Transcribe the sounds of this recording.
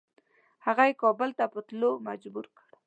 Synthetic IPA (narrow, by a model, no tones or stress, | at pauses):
haɣajekɑbəlt̪apət̪lomad͡ʒbuɾkəɽ